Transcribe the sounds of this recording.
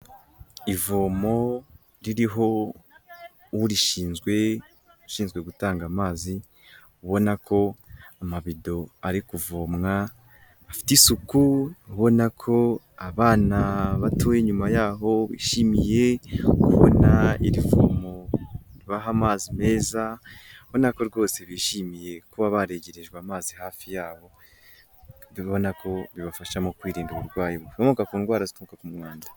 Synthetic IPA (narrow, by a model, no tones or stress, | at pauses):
ivoːmo̞ | ɾiɾiɦo̞ | wuɾiʃiːnzɡwe̞ | uʃiːnzɡwe̞ɡutaːŋɡamaːzi | uβo̞nakʰo̞amaβido̞aɾikuvo̞ːmŋa | afi̥tisukuuβo̞nakʰo̞ | aβaːnaβatʰoːjeɲumajaːɦo̞βḭːʃimije̞kuβo̰naḭɾivo̰moɾiβaɦamaːzime̞ːzaβo̞nako̞ɾɡo̞ːse̞βiːʃimije̞kuβaβaɾe̞ɟe̞ɾe̞ʒɡweamaːzihaːfijaːβo̞ | ββo̞nakʰo̞βiβafaʃamokwiːɾiːnduβuɾɡwaːjiβuamukakuːnɡwaːɾazitumukakumŋaːndḁ